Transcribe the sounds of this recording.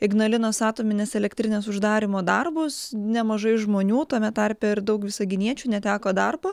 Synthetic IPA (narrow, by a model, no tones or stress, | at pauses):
ɪɡnɐlʲɪnoːsɑːt̪oːmʲɪnʲeːsɛlʲɛkt̪ʲɾʲɪnʲeːsʊʒd̪ɑːɾʲɪmoːd̪ɐrbʊsnʲɛmɐʒɐɪʒmoːnʲuːt̪oːmʲɛt̪ɐrʲpʲeɪrd̪ɐʊkʋʲɪsɐɡʲɪnʲiɛt͡ʃʲuːnʲɛt̪ʲæːkoːd̪ɐrboː